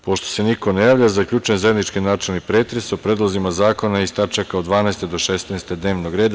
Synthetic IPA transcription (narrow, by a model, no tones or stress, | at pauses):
po̞ʃt̪o̥se̞niko̞nejaːʋʎazakʎʲut͡ʃujenzajed̪nit͡ʃkinaːt͡ʃelnipɾe̞ːt̪ɾesopɾeːd̪lˠozimazaːko̞naist̪at͡ʃakaod̪d̪ʋaːnɛest̪ed̪o̞ʃesneːst̪ed̪ne̞ːʋnoɡɾe̞ːd̪a